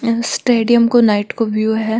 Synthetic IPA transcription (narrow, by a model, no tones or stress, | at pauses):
sʈeːɖijəmkonaɪʈkoʋjuːɦɛː